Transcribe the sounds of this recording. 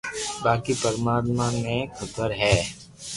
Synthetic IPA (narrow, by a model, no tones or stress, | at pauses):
baːkipɐɾmaːt̪mamẽkʰɐt̪əɾɦɛː